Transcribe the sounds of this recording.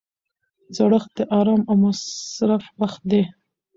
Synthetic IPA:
zaɽəxd̪̥əʔɑɾɑmawmasɾafbax̚d̪e

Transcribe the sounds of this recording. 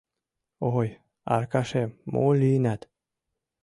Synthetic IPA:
oj | ɑ̰rkɑʃemo̰lynæt̪

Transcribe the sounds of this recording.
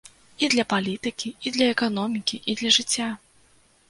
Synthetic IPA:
id̪lʲɐpalʲit̪ɨkʲiid̪lʲɐɛkanɔmʲikʲiʔid̪lʲɐʐɨt͡sʲːa

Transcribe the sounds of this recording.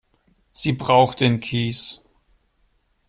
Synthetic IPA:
z̥iːbʁaʊxt̚d̥eːnkʰiːs

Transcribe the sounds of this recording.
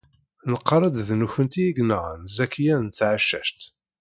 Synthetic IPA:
nəqːɾˤɑd̪ðnuçənt̪iiɡnəʁnzækːjænt̪ʕəʃːæ̰ʃt̪

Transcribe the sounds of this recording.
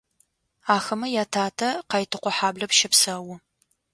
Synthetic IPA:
aːxɐmɐjaːtʰaːtʰɐqɑjtʰɨqʷɔħaːblɐpʃɪpsɐwʊ

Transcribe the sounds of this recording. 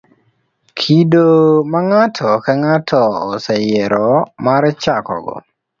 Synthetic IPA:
kʰidomaŋatʰɔkaŋatʰɔɔsɛjɛɾɔmaɾt͡ʃakɔ̰ɡɔ̰

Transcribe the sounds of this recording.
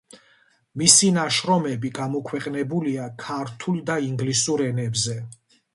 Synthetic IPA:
misinaʃɾɔmɛbiɡamɔkʰwɛqʼnɛbuliakʰaɾt̪ʰuld̪aiŋɡlisuɾɛnɛbzɛ

